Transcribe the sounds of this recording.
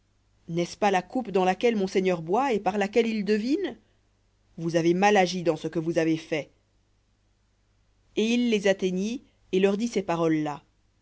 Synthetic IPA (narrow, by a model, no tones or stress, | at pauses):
nɛspalakupd̪ɑ̃lakʲɛlmɔ̃seɲœʁbwaepaʁlakʲɛlild̪əvin | vuzavemalaʒid̪ɑ̃səkəvuzavefɛ | eilːezat̪eɲi | elœʁd̪isepaʁɔlːa